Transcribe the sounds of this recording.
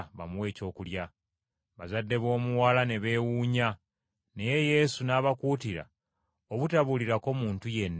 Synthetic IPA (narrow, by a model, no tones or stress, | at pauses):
βa̰muwe̞ːco̞ːkulja | βazadːe̞βo̞ːmuwaːlane̞βe̞ːwuːɲa | ne̞je̞je̞sunaːβakuːtiɾa̰ | oβutaβuliɾako̞muːntuje̞nː